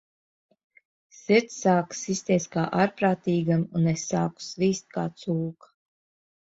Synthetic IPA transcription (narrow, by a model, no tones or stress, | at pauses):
siɾt̪ssaːksisʲt̪ʲiɛskaːʔaɾpɾaːt̪iːɡamunesːaːku̥sviːst̪̚kaːt̪suːkḁ